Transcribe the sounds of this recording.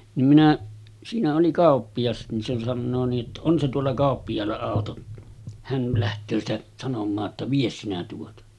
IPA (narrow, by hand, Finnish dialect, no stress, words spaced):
nim minæ siːnæ oli kɑˑopːij̆ɑs nin se sɑnːoː niːʔ ʔetːæ on se tuolːɑ kɑˑopːijɑːlːɑ ɑˑoto hæn læhtøː sitæ sɑnomˑɑː tːɑ ʋies sinæ tuotɑ